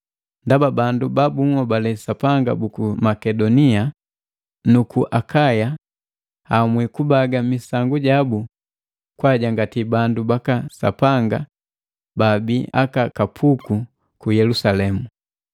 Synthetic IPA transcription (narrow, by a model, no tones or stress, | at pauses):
ndababandubabuŋɔbalɛsapaŋɡa̰bukumakɛdɔnia | nukuʔakaja | amwikubaɡamisaŋɡuɟabu | kwaɟaŋɡatibandubakasa̰paŋɡa | babiʔa̰kakapʰuku | kujɛlusalɛmu